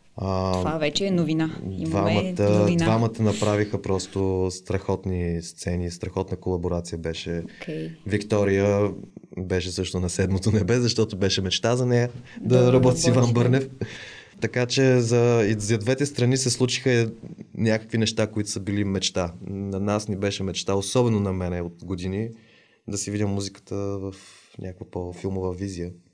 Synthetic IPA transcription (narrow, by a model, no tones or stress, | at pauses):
avavɛt͡ʃɛːnovinadivamət̪əinavamət̪ənɐpɾavixəpɾɔst̪ost̪ɾɐxɔt̪nist̪sɛnist̪ɾɐxɔt̪nəkolˠɐboɾat̪sijəbɛʃɛkɛvikt̪ɔɾijə | bɛʃɛsɤʃt̪onɐsɛd̪mot̪onɛbɛzɐʃt̪ɔt̪obɛʃɛmɛt͡ʃt̪azɐnɛjəd̪ɐɾɐbɔt̪isivambɤɾnɛft̪ɐkat͡ʃɛzɐizɐd̪vɛt̪ɛst̪ɾɐnisɛslˠut͡ʃi̥xənʲakə̥kvinɛʃt̪akoit̪ʊ̥səbilimɛt͡ʃt̪anɐnasnibɛʃɛmɛt͡ʃt̪aosɔbɛnonɐmɛnɛot̪ɡod̪ini | d̪ɐsividʲəmːuzikə̥t̪əvəfnʲʔakəkvəpofilˠmovəvizijə